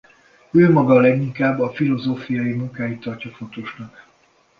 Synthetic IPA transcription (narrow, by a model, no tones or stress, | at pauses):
øːmɒɡɒlɛɡiŋkaːbːɒfilo̞zoːfijɒjimuŋkaːjit̪ːɒrcɒfo̞t̪oʃnɒk